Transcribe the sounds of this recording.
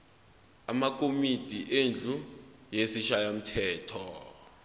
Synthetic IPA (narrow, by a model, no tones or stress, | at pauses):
amak̬ʼomid̥ʱiʔend͡ɮʱujesiʃajam̩tʰɛːtʰɔ